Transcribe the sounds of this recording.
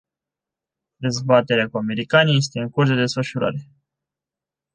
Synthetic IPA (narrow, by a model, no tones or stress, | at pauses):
d̪e̞zbat̪e̞ɾeakuame̞ɾikanije̞s̬t̪e̞ɨŋkursd̪e̞d̪e̞sfəʃuɾa̰ɾe̞